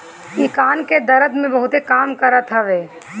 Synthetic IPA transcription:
kikaːnked̪əɾəd̪mẽbəɦʊt̪ekaːmkəɾət̪ɦəʋeː

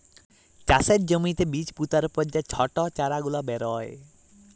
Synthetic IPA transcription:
t͡ʃaseʈ̚d͡ʒəmĩt̪ebit͡ʃput̪aɾɔpɔd͡ʒat͡ʃʰɔʈɔt͡ʃaɾaɡulɔbɛɾɔj

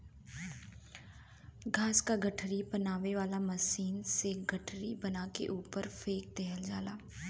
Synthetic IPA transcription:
ɡʱaːskaɡəʈʰɾipənaːʋeʋaːlaməsiːnseɡʱəʈʰɾibənaːkḛʔuːpəɾfʰeːk̚t̪eːɦəld͡ʒaːlaː

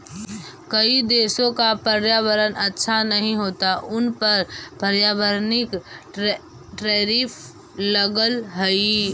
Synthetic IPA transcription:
kəid̪eːsõkapəɾjaːʋəɾənətːʃʰanəɦĩɦoːt̪aʔʊnpəɾpəɾjaːʋəɾnɪk | ʈɾeːɾiːf | ləɡəlɦəi

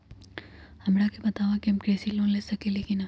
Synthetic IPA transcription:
hɐmɽakebɐt̪aːʋakiɦɐmkɾeːsilõːnlesɐkelekina

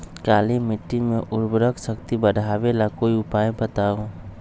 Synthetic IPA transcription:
kaːlimiʈːimeʔʊɾbɾəksəkt̪ibəɖʱabelakoːiʊpajpət̪aɦõ

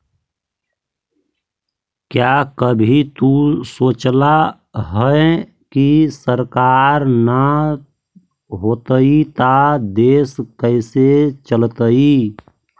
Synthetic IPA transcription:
kjakəbʱit̪usoːt͡ʃla | ɦəe | kisəɾkaːɾna | ɦoːt̪əit̪ad̪eːskəɪset͡ʃəlt̪əi

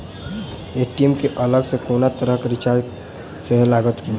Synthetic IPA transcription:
eʈiemkeʔələɡsekoːnat̪əɾəɦkeɾɪt͡ʃaɾ | seɦlaːɡət̪ki

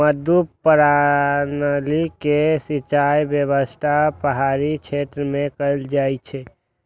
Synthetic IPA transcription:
məd̪ʱupəɾanəlikesit͡ʃajbjəbəst̪ʰapəɦaɾit͡ʃʰet̪ɾəmekəld͡ʒajt͡ʃʰɛ

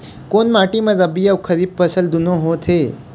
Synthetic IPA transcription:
koːnmaːʈimɐ̃ɾɐbijaʋkʰɐɾiːb̚pəsəld̪unõɦot̪ʰe

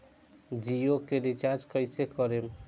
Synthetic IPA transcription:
d͡ʒijokeɾit͡ʃaɾd͡ʒkəjsekəɾem

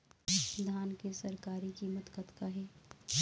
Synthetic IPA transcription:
d̪ʱaːnkesɐɾkaːɾikimət̪kət̪kaɦɛː

